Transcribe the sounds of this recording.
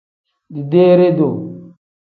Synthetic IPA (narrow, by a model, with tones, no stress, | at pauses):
di˨de˦ɾe˦do˨